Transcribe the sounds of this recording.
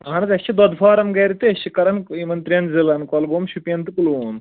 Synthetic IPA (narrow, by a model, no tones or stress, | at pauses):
anɐt̪ɐsʰid̪ɔd̪faːɾɐmɡɐjɾit̪eɐɕikɐɾɐnimɐnt̪ɾijɐnzilɐnkɔlɡoːmɕupijɐnt̪ukuluːn